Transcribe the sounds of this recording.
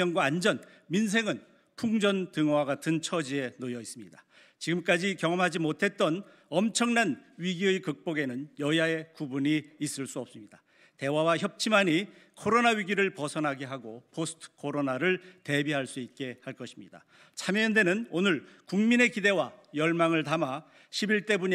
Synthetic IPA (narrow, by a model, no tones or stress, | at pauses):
ʌŋɡwaːnd͡ʑʌn | mins̬ʰe̞ŋɯn | pʰuŋd͡ʑʌntɯŋwaɡatʰɯnt͡ɕʰʌd͡ʑie̞nojʌis͈ɯmɲida | t͡ɕiɡɯmk͈ad͡ʑikjʌŋʌmɦad͡ʑimotʰe̞t̚t͈ʌn | ʌmt͡ɕʰʌŋnanɥiɡiɯkɯk̚p͈oɡe̞nɯnjʌjae̞kubuɲiːs͈ɯɭs͈uʌp̚s͈ɯmɲida | te̞wawaçjʌp̚t͡ɕʰimaɲikʰoɾonaɥiɡiɾɯɭpʌsʰʌnɦaɡeɦaɡopʰosʰɯ̥tʰɯ̥kʰoɾonaɾɯɭte̞biɦaɭs͈uit̚k͈e̞haɭk͈ʌɕʰimɲida | t͡ɕʰameʌnde̞nɯnonɯɭkuŋmine̞kide̞wajʌɭmaŋɯɭtama | ɕʰibiɭt͈e̞buɲ